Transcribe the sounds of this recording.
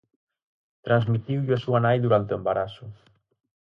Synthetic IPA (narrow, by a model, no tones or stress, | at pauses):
t̪ɾanzmit̪iwʎasuanajðuɾant̪eembaɾasʊ